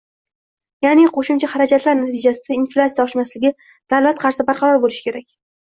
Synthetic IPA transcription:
janɪqʰoʃɪmt͡ʃʰaχaɾad͡ʒat̪laɾnat̪ʰɪd͡ʒasɪainflˠʲat̪sijaɒʃmaslɪɡʲɪ | d̪̥avlat̪qʰɑɾsɪbaɾqʰɑɾɒɾbolɪʃɪ̥kʲʰe̞ɾakʲ

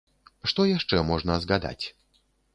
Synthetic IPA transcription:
ʂt̪ɔjaʂt͡ʂɛmɔʐnɐzɣad̪a̰t͡sʲ

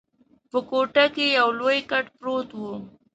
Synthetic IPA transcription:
pəkoʈakejawlojkaʈpɾot̪wu

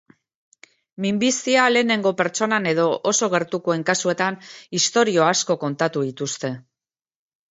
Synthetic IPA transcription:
mimbist̪iale̞ːne̞ŋɡo̞pe̞ɾt͡ʃo̞nane̞ðo̞ʔoso̞ɣ̞e̞ɾt̪ukue̞ŋkasue̞t̪anist̪o̞ɾio̞asko̞ko̞nt̪at̪uðit̪ust̪e̞

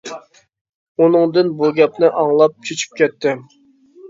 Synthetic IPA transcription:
unɨŋd̪ɨnbuɡʲɛpnɪʔɑŋlˠɑp̚t͡ʃʰøt͡ʃʰy̥p̚kʲɛt̪ʰːɪ

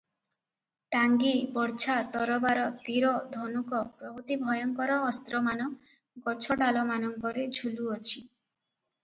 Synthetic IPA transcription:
ʈaŋɡibɔɾt͡ʃʰat̪ɔɾɔbaɾɔt̪iɾɔd̪ʱonukɔpɾɔɦut̪ibʱɔjɔŋkɔɾɔːst̪ɾɔmanɔ | ɡɔt͡ʃʰɔɖalɔmanɔŋkɔɾed͡ʒʱuluɔt͡ʃʰi

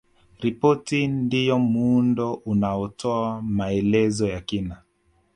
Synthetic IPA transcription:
ɾipɔtindijɔmuundɔʔunaɔtʰɔamaɛlɛzɔjakina

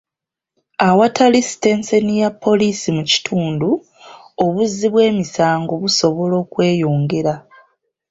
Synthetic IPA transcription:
awatʰalistensenijapʰːo̞liːsimuci̥tʰuːndu | oβuzːiβwe̞ːmisaːŋɡo̞βuso̞βo̞lo̞ːkwe̞ːjoːŋɡeɾa

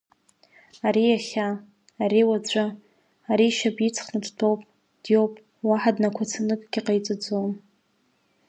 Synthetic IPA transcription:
aɾijaχʲaː | ɾiwat͡ɕʷʰʼa | aɾiʃapʼit͡sʰχnadtʰowpʼ | d̥jowpʼ | waħadnakʷʰat͡sʰanɨkʼɡʲiqʼajt͡sʼɨd͡zowm

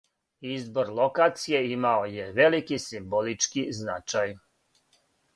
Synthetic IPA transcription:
izboɾlˠokaːt̪sijeimaojeʋe̞likisimbolit͡ʃkiznat͡ʃaj

